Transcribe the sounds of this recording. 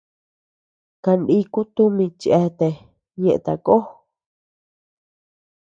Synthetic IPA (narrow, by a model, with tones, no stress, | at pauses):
ka˧nɗi˦ku˦t̪u˦mĩ˧t͡ʃʔe˧t̪e˨ | ɲẽ˧ʔt̪a˨˧ko˦